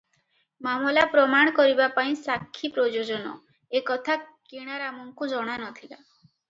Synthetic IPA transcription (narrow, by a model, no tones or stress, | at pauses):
mamɔlapɾɔmaɽ̃ɔkɔɾibapaĩsakʰːipɾɔd͡ʒod͡ʒɔnɔ̰ | ekɔt̪ʰakiɽ̃aɾamɔŋkud͡ʒɔɽ̃anɔt̪ʰila̰